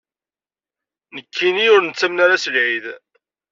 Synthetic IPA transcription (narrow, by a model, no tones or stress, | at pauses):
nəkʰːiniʊɾnət͡sːæmnaɾasəlʕið